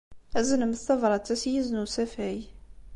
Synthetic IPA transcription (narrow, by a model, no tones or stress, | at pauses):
æzənəməst̪ɑvˤɾˤɑt͡sːæsjiznusæfæj